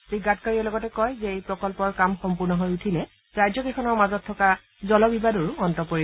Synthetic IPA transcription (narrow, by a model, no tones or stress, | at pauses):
b̥ɹiɡːatkaɹiɛlɔɡɔtɛkɔjzɛejpɹɔkɔlpɔɹkamxɔmpuɹnɔɦojutʰilɛ | ɹajzɔkexɔnɔɹmazɔtʰːɔka | zɔlɔbibadɔɹuɔntɔpoɹi